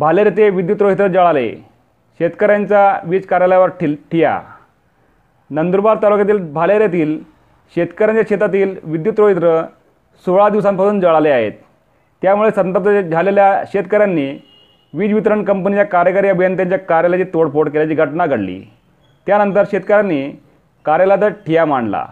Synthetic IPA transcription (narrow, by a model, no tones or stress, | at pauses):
bʱaleɾat̪eʋid̪jut̪ɾoɦit̪ɾəd͡zəɭalḛ | ɕet̪kəɾjaɲt͡ɕaʋiːd͡zkaɾjaljaʋəɾʈʰiːlʈʰija̰ | nənd̪uɾbaɾt̪alokjat̪̬iːlbʱaleɾjat̪iːl | ɕet̪kəɾjaɲt͡ɕjaɕet̪at̪iːlʋid̪jut̪ɾoɦit̪ɾə | soɭad̪iʋsãmpasuːnd͡zəɭaleaɦḛt̪ː | jamuɭesənt̪əp̚t̪əd͡zʱaleljaɕet̪kəɾjanːiː | ʋiːd͡zʋit̪ɾəɳkəmpənit͡ɕjakaɾjəkaɾijabʱijənt̪̬jaɲt͡ɕjakaɾjalat͡ɕiːt̪oɽpoɽkelat͡ɕiːɡʱəʈnaɡəɽlḭː | t̪janənt̪əɾɕet̪kəɾjanːiː | kaɾjalat̪əɾʈʰijamaɳla̰